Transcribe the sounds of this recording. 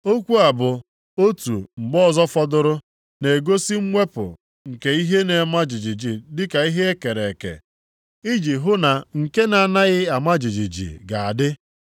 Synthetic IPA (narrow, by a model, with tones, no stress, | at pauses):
o˦kʷu˦a˨bʊ˨ | o˦tṵ˨ŋ͡m̩˨ɡ͡bɔ˦˨zɔ˦fɔ˦dʊ˦ɾʊ˦ | ne˨ɡo˦si˦ŋ͡m̩˦ŋʷe˦pʊ̰˨ | ŋ̩˨ke˨i˦ɦe˦ne˨˦ma˦d͡ʒi˨d͡ʒi˨d͡ʒi˨dɪ˦ka˨i˦ɦe˦e˦ke˨ɾe˨kḛ˨ | i˦d͡ʒi˨ɦʊ˦na˨ŋ̩˨ke˦na˨na˦ɣɪ˦a˨ma˦d͡ʒi˨d͡ʒi˨d͡ʒḭ˨ɡa˨a˨dɪ˦